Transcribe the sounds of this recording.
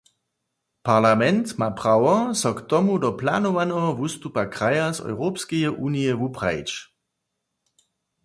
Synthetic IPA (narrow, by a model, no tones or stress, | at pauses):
paʁlamɛnt̪mapʁawɔsɔkt̪ɔmudɔplanovanɔɦɔvust̪upakʁ̥ajazɔ̰wʁopskɛjɛʔuːnijɛvupʁ̥aḭt͡ʃ